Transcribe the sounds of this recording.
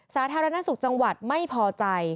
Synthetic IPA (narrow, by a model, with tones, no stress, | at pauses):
saː˩˦˥t̪ʰaː˧ɾa˧na˦˥su˨˩k̚t͡ɕa˧ŋwa˨˩t̪̚ma˥˩jpʰɔː˧t͡ɕa˧j